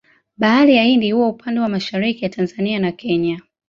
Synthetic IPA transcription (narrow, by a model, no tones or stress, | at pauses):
ɓaalijaindihuwaupʰandɛwamaʃaɾikijatʰanzanianakʰɛɲa